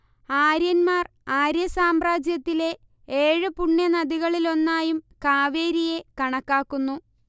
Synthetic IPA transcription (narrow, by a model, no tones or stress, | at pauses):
aːɾjɐnmaːr | aːɾjɐsaːmraːd͡ʑjɐt̪ːile̞ | eːɻɨpuɳːjɐnɐd̪iɣɐɭilo̞nːaːjumkaːʋe̞ːɾije̞kɐɳɐkːaːkːunːu